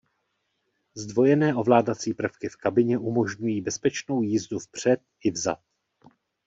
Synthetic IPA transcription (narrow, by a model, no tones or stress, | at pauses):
zdvo̞jɛnɛːʔo̞vlaːdat͡siːpr̩fkɪfkabɪɲɛʔumo̞ʒɲujiːbɛspɛt͡ʃno̞wjiːzdufpr̝̥ɛt̪̚ɪvza̰t̪̚